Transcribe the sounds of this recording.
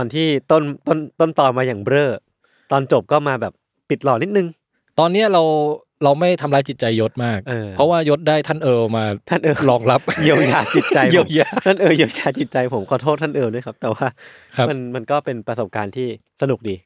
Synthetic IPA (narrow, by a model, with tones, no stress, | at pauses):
ɔː˧nt̪ʰiː˥˩t̪o˥˩nt̪o˥˩nt̪o˥˩nt̪ɔː˨˧maː˧jaː˨˩ŋbɾɤː˥˩ | t̪ɔː˧nt͡ɕo˨˩p̚kɔː˥˩maː˧bɛː˨˩p̚ː | i˨˩t̪̚lɔː˨˩ni˦˥t̪̚nɯ˨˧ŋ | t̪ɔː˧nːi˦˥ɐɾa˧w | ɾa˧wma˥˩jt̪ʰa˧mlaː˧˥jt͡ɕi˨˩t̪̚t͡ɕa˧jːo˦˥t̪̚maː˥˩k̚ʔɤː˧ɾɔ˦˥waː˥˩jo˦˥t̪̚daː˥˩jt̪ʰa˥˩nʔɤː˧maː˧t̪ʰa˥˩nʔɤː˧ɾɔː˧ŋla˦˥p̚ji˧ə˧wjaː˨˩t͡ɕi˨˩t̪̚t͡ɕa˧ji˧˦wjaː˧˩a˥˩nʔɤː˧ji˧ə˧wjaː˧˩t͡ɕi˨˩t̪̚t͡ɕa˧jpʰo˩˦mkʰɔː˨˩t̪ʰoː˥˩t̪̚ʰa˥nʔɤː˧wnɯ˦˥˩kʰa˦˥p̚t̪ɛː˨˩waː˥˩ | kʰa˦˥ma˧nma˧nkɔː˥˩pe˧npɾa˧so˨˩p̚kaː˧nt̪ʰiː˥˩ | sa˧nu˨˩k̚diː˧